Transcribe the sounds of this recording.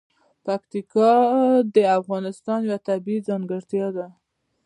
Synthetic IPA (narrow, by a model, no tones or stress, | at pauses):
pakt̪ikɑd̪əafɣɑnɪst̪ɑnjwat̪abizɑŋɡəɽt̪jɑd̪a